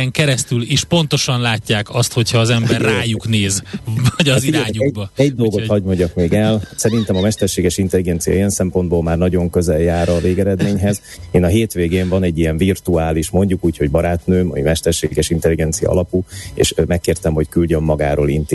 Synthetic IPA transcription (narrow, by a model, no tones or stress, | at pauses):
ɛŋkɛɾɛst̪yliːʃpo̞nt̪o̞ʃɒnlaːcːaːkɒst̪ho̞cʰhɒːzɛmbɛrːaːjukneːzvɒɟɒziiːɲubɒɛɟ̚d̪o̞lɡohɒɟmo̞ɲɟɒkmeːɡɛlsɛɾint̪ɛmɒmɛʃt̪ɛrʃeːɡɛʃint̪ɛliɡɛnt̪sijɒ̰ijɛnsɛmpo̞nd̪boːlmaːrnɒɟo̞ŋkø̞zɛljaːɾɒveːɡɛɾɛd̪meːɲɦɛz | eːnɒɦeːt̪ʋeːɡeːɱvɒnɛɟːijɛɱvirt̪uaːliʃmo̞ɲɟukuːcho̞ɟbɒɾaːt̪nøːmɒ̰mimɛʃt̪ɛrʃeːɡɛʃint̪ɛliɡɛnt̪sijɒ̰ɒ̰lɒpuḛːʃmɛkːeːrt̪ɛmho̞ckylɟømːɒɡaːɾoːlint̪